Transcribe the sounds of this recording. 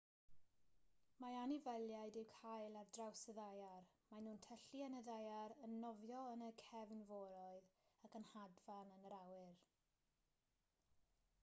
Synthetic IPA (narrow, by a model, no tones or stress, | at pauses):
maanɪvɛlˠjajdɪwkʰajlˠardrawsəðajarmanuːntʰəɬiɛnədajaɾənːɔvjɔənəkʰɛvnvɔɾɔɨðakənhadvanənəɾawɨr